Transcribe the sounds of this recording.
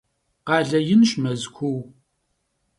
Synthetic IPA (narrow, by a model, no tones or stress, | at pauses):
qɑːɮɐjɪnʃmɐzkʷʰuw